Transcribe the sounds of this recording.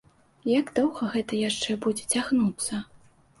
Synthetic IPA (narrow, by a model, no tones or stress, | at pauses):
jaɡd̪ɔwɣɐɣɛt̪ɐjaʂt͡ʂɛbud͡zʲɛt͡sʲaɣnut̪sːɐ